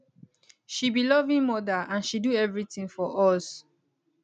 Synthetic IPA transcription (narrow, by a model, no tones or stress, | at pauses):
ʃibilɔvĩŋmɔdaãnʃiduɛvɹitĩŋfɔʔɔs